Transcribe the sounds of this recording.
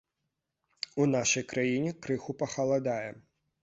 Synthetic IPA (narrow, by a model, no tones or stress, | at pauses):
unaʃɐjkɾajinʲikɾɨxupɐxɐlˠad̪ajɛ